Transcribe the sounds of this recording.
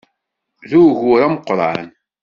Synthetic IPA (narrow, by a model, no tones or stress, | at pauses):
ðuʝʊɾamqːɾˤʕa̰n